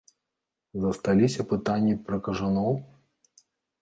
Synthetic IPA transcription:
zɐst̪alʲisʲɐpɨt̪anʲːipɾɐkɐʐanɔw

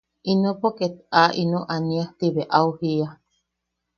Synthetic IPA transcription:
inopoket̪̚aʔinoʔaniaht̪iβeʔauhia

